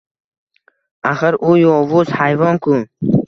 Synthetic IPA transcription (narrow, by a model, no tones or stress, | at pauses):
aχəɾujɔvuzhajvɔnkʰu